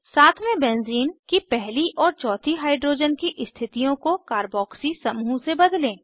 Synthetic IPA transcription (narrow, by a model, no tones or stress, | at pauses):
saːt̪ʰmẽbɛ̃ːnziːnkipɛɦliʔɔːɾt͡ʃɔːt̪ʰiɦaːɪɖɾoːd͡ʒənkiʔɪst̪ʰɪt̪ijõkokaːɾbɔːksisɐmuːsebɐd̪lẽː